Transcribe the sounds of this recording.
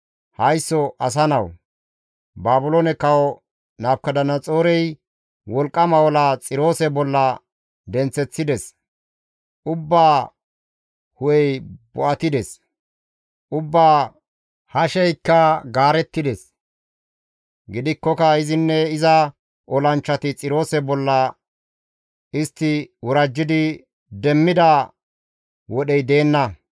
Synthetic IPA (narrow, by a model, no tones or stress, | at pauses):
hɐjsːɔʔɐs̬ɐnɐw | baːbʊlonɛkɐwɔ | naːbkɐd̪ɐnːɐt͡sʼo̞ːɾɛj | wɔlkʼːɐmɐwɔlat͡sʼɪɾo̞ːsɛbɔlːɐ | d̪ɛnt͡sːɛt͡sːɪd̪ɛs | ʔʊbːaː | hʊjɛjbɔʔɐt̪ɪd̪ɛs | ʔʊbːaː | hɐʃɛjkːɐɡaːɾɛt̪ːɪd̪ɛs | ɡɪd̪ɪkːɔkɐɪzɪnːɛɪzɐ | ʔɔlɐnt͡ʃːɐt̪ɪt͡sʼɪɾo̞ːsɛbɔlːɐ | ɪst̪ːɪwʔʊɾɐd͡ʒːɪd̪ɪ | d̪ɛmːɪd̪ɐ | wɔɗɛjd̪e̞ːnːɐ